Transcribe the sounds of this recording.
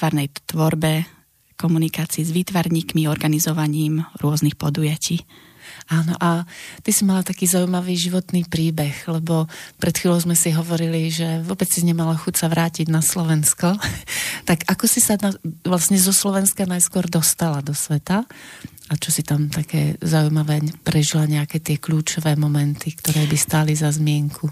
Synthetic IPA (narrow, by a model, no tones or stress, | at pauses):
aɾnɛjt̪ʋɔɾbɛ | kɔmunikaːt͡siːzʋiːt̪ʋaɾɲiːkmiɔɾɡanizɔʋaɲiːmɾʊɔznixpɔd̪ujaciː | aːnɔʔat̪isimalat̪akiːzaujmaʋiːʒiʋɔt̪niːpɾiːbɛxlɛbɔpɾɛt̪xʋiːlʲɔʊzmɛsiɦɔʋɔɾiliʒɛʋɔbɛt͡ssizɲɛmalaxucsaʋɾaːciɟnaslɔʋɛnskɔ | t̪aɡakɔsisanaʋlasɲɛzɔslɔʋɛnskanajskʊɔɾd̪ɔst̪alad̪ɔsʋɛt̪a | at͡ʃɔsit̪amt̪akɛ̰ːzaujmaʋɛːpɾɛʒilaɲɛakɛːt̪ɪɛkʎuːt͡ʃɔʋɛːmɔmɛnt̪ikt̪ɔɾɛːbist̪aːlizazmɪɛŋkʰu